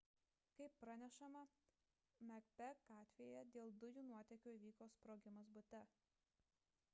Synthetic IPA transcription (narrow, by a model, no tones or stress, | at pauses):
kɐɪpːɾɐnʲɛʃɐmɐ | mʲɛkpʲɛɡɑːt̪ʲʋʲeːjɛd̪ʲeːlˠd̪ʊjuːnuɔt̪ʲɛkʲuːiʋʲiːkoːspɾoːɡʲɪmɐsbʊt̪ʲɛ